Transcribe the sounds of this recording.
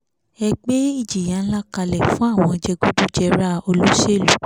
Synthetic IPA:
ɛ˧ɡ͡be˦i˦˨d͡ʒi˨jã˨˦la˦ka˧lɛ˨fũ˦a˦˨w̃ɔ̃˧d͡ʒɛ˧ɡu˦du˦d͡ʒɛ˧ɾa˦o˧lo˦ʃe˦˨lu˨˦

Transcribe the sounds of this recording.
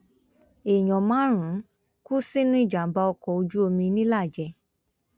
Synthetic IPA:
e˨j̃ɔ̃˨mãː˨˦ɾ̃ũ˨˦ | ku˦si˦nũ˦i˦˨d͡ʒa˨˦ba˧ɔ˧kɔ˨o˧d͡ʒu˦o˧mĩ˧nĩ˦la˦˨d͡ʒɛ˨

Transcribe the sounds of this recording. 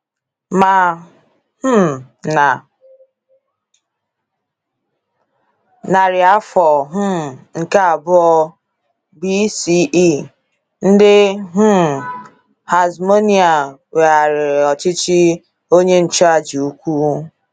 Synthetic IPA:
ma˨ | h̩˦˨ | na˨ | na˨ɾɪ˨a˦fɔ˨ɦ̩˦m˨ŋ̩˨ka˦a˨bʊ˦ɔ˦ | bi˦si˦ʔi˦˨ | n̩˦dɪ˦ɦ̩˦˨ | ha˨zmo˦ni˦a˨we˨a˨ɾɪ˨ɾɔ˨t͡ʃɪ˦t͡ʃɪ˦ | o˦ɲe˦n̩˨t͡ʃa˦˨d͡ʒi˨u˦kʷu˦

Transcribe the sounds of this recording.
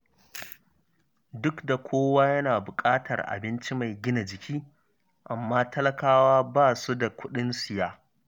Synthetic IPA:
dʊ˦kda˨kʷʰoː˦waː˦jɐ˦naː˨bʊ˨kʼaː˦tʰɐ˨rʔa̰˨bɪ˦nt͡ʃi˦ma˨jɡʲɪ˦na˨d͡ʒɪ˨kʲʰiː˦ | ʔa˨mːaː˦tɐ˦lɐ˦kaː˦waː˦baː˦˨su˦da˨kʷʊ˦ɗɪ˦nsɪ˨jaː˦

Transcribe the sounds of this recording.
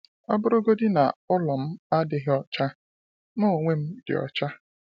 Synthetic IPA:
a˦bʊ˦ɾʊ˦ɡo˦dɪ˦na̰˨ʊ˦lɔ˨m̩˦a˦dɪ˦ɦɪ˦ɔ˦t͡ʃa˦ | mʊ˦o˨ŋʷe˦m̩˦dɪ̰˨ɔ̰˨t͡ʃa˦

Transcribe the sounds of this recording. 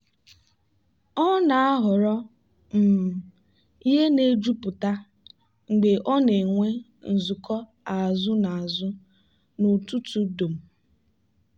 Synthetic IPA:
ɔ˦na˨a˦ɦʊ˨ɾɔ˦ | m̩˨ | i˦ɦe˦ne˦d͡ʒu˦pʊ˨ta˦ | ŋ͡m̩˨ɡ͡be˨ʔɔ˦ne˨ŋʷe˦ | n̩˨zʊ˨kɔ˦ | a˨zʊ˦na˨a˨zʊ˦ | nu˨tu˦tu˦do˨m̩˨

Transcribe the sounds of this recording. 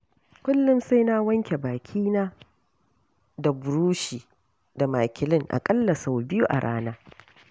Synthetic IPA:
kʷʊ˦lːʊ˦msa˦jnaː˦wɐ˦ŋkʲe˨baː˨kʲʰiː˦naː˦ | da˨bʊ˨ɾuː˦ʃiː˨ | da˨maː˨kʲɪ˨lɪ˦ŋʔa̰˨kʼɐ˦lːɐ˨sa˨wbɪ˦ju˦ʔa̰˨ɽʔa̰ː˦naː˦

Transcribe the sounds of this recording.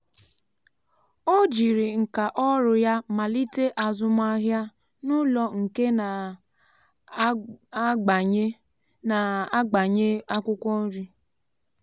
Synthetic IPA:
o˦d͡ʒi˨ɾi˨ŋ̩˨ka˨ʔɔ˦ɾʊ˨ja˦ma˨li˦te˦ʔa˨zʊ˦ma˦ɦja˦ | nʊ˦lɔ˨ŋ̩˨ke˦n˨˦ | ɡ͡ba˨ɲ˦ | na˨a˦ɡ͡ba˨ɲe˦a˦kʷʊ˦kʷɔ˦n̩˦ɾi˦

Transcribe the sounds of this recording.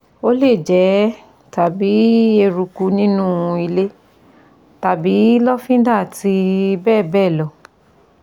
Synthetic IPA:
o˦le˦˨d͡ʒɛ˨˦ | ta˨bi˨˦e˧ɾu˧ku˧nĩ˦nũ˦i˧le˦ | ta˨bi˨˦lɔ˦fĩ˦da˦˨ti˧bɛː˦˨bɛ˦˨lɔ˨

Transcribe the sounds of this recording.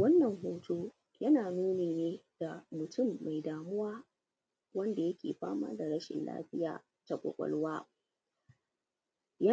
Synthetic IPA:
wɐ˦nːɐ˨ŋɦoː˦tʰoː˦ | jɐ˦naː˨nuː˦neː˨neː˦d̥a˨mʊ˨tʰʊ˦˨mːa˨jdaː˨mʊ˦waː˦ | wɐ˦nda˨jɐ˦kʲḛː˨ɸa̰ː˦ma̰ː˦da˨ɽɐ˦ʃɪ̰˨nla̰ː˦ɸɪ˦ja̰ː˨ | ta˨kʷʼɔ̰˨kʷʼɔ̰˦lwaː˦ | ja˦

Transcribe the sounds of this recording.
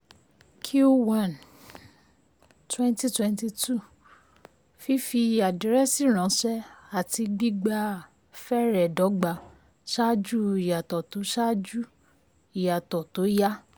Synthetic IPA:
kʰju˦wã˦˨n | twɛ̃˦n˦ti˦twɛ̃˧nti˧tu˦˨ | fi˦fi˧˨ja˨di˨˦ɾɛ˦si˦˨ɾ̃ã˨˦ʃɛ˦a˦˨ti˧ɡ͡bi˦ɡ͡ba˧ | fɛ˦ɾɛ˨dɔ˨˦ɡ͡ba˧˦ | ʃa˦d͡ʒu˦i˨ja˨tɔ˨to˨˦ʃa˦d͡ʒu˦ | i˨ja˨tɔ˨to˨˦ja˦

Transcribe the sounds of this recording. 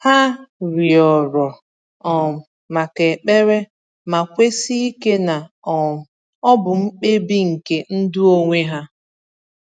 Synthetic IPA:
ha˦ɾi˨ɔ˨ɾɔ˨ | ɔ˨m̩˨ | ma˨ke˨k͡pe˦ɾe˦ | ma˨kʷe˦si˦i˦ke˦na˨ | ɔ˨m̩˨ | ɔ˦bʊ˨m̩˦k͡pe˦bi˦ŋ̩˨ke˦n̩˦dʊ˦o˦ŋʷe˦ɦa˦

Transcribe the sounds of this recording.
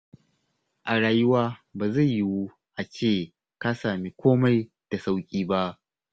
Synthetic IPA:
ʔa˨ɽaː˨jʊ˦waː˦baː˨za˦˨jji˦wu˦ | ʔa˨t͡ʃeː˦˨ | ka˦saː˨mi˦kʷoː˦ma˦j | d̥a˨sa˦wkʲʼiː˦ba˦ʔ

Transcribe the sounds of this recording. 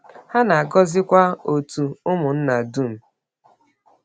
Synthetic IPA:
ha˦na˨a˨ɡɔ˦zɪ˦kʷa˦o˨tu˨ʊ˦mʊ˨n̩˦na˨du˦˨m̩˨

